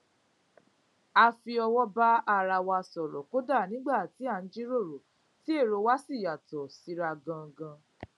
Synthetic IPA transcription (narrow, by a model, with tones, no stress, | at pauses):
a˧fi˧ɔ˧wɔ˦ba˦a˦˨ɾa˧wa˧sɔ˨ɾɔ̰˨ko˦da˦˨nĩ˨˦ɡ͡ba˦˨ti˨˦a˦˨n̩˦d͡ʒi˦ɾo˦˨ɾo˨ | ti˨˦e˦˨ɾo˧˦wa˦si˦˨ja˨tɔ˨si˨˧˦ɾa˧ɡã˧ɡã˧